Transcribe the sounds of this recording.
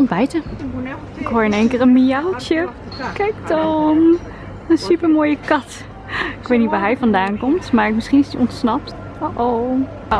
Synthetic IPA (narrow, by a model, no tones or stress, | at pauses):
ɔnbɛjtə | ɪkɦoːɹɪneːŋkərənmialt͡ʃə | kɛjk̚tɔm | ənsypəɹmoːjəkɑt | ɪkʋejtnitʋaːɹɦɛjvɑndaːnkɔmtmaːɹmɪsχinɪsdiʔɔntsnɑp̚t | oʔow